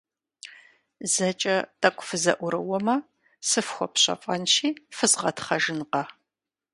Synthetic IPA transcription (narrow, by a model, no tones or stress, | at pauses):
zɐt͡ʃʼɐtʰʼɐkʷʼʊfɨzɐ̰ʔʷʊɾɨ̰wɔmɐ | sɨfxʷɔpɕɐ̰fʼɐnʃiːfɨzʁɐtʰχɐʒɨnqɐ